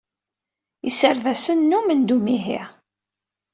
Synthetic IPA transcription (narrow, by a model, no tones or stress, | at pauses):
isəɾðæsənːumənd̪umiɦḭʁ